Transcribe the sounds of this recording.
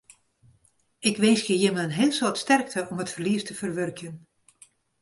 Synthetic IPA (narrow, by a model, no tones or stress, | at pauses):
ɪkʋeːsxəjɪməənɦɪːlˠsortstɛrk̚tʰəʔɔmətfərliəstəfərʋørkʰjən